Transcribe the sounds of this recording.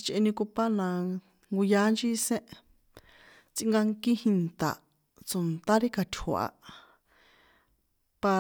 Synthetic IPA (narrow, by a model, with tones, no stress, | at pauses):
t͡ʃʔe˧nĩ˧ku˧pa˦nã˧ | ŋɡu˧ja˧˦nd͡ʒi˦˧sẽ˦ʔ | t͡sĩ˧˦ŋɡa˧ŋki˦hi˧nt̪a̰˨ | t͡so˨nt̪a˦ɾi˦ka˧t̪ʲʰho̰˨ʔa̰˧˨ | pa˧